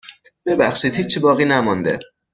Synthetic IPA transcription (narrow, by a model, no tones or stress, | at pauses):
b̥e̞bæxʃiːd̪hiːt͡ʃʰːibɒːɣiːnæmɔnd̪ḛ